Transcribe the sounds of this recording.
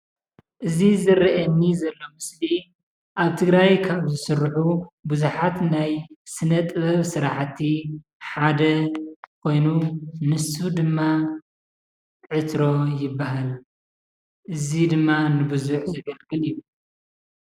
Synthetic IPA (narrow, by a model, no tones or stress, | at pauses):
ʔɨzizɨriʔɐnːizɐlːo̞mɨsli | ʔaβt̪ʰɨɡɾajkʰaβzɨsɨrħubuzuħat̪najsɨnɐt̪ʼɨβɐβsɨɾaħt̪ʰi | ħad̪ɐkʰo̞jnunɨsud̪ɨmːa | ʕɨt̪ɾo̞jɪbːaɦal | ʔɨzid̪ɨmːanɨbɨzuħzɐɡɐlɡɨliju